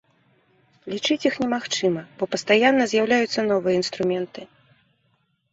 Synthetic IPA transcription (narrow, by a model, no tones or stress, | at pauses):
lʲit͡ʂɨt͡sʲixnʲɛmaxt͡ʂɨmɐb̥ɔpɐst̪ajanːɐzʲjawlʲajut̪sːɐnɔvɨjɐin̪st̪ɾumʲɛnt̪ɨ